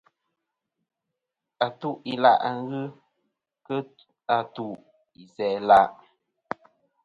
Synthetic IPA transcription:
a˨tu˦ʔi˨la̰˦˨ʔa˨ŋ˦ɣɨ˦ | kə˦ | a˨tu˨ʔ | i˨sɛ˨la˦ʔ

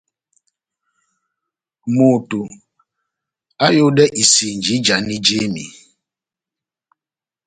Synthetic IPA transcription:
mo˨tu˨ | a˦jo˦dɛ˦ʔi˨si˨n˨d͡ʒi˨˦d͡ʒa˨˦ni˦d͡ʒe˦mḭ˨

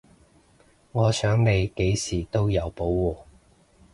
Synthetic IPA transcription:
ŋɔː˨˧sœː˨˥ŋne˨˧jke˨˥jsiː˨˩t̪o˥wjɐ˨˧wpo˨˥wwuː˨˩

